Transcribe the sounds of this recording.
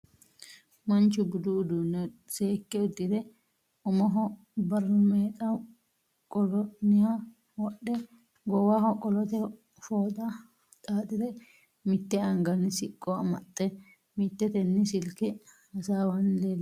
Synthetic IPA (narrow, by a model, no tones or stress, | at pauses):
mɐnt͡ʃʊɡʊd̪ʊːd̪unːɛse̞ːkːɛʊd̪ːɪd̪ɛ | ʊmɔɦɔ | bɐɾmeːt̪ʼɐ | kʼɔlɔnɪha | wɔɗːɛ | ɡɔwahɔkʼːɔlɔt̪ɛ | foːt̪ʼɐ | t̪ʼaːt̪ʼɪd̪ɛ | mɪt̪ːɛɐŋɡɐnɪsɪkʼːɔɐmɐt̪ʼːɛ | mɪt̪ːɛt̪ɛnːɪsɪlkɛhɐsaːwɐnleːlː